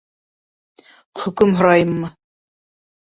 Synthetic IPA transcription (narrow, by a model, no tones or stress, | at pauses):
χɵ̆kɵmɦŏɾɑjɤmːɤ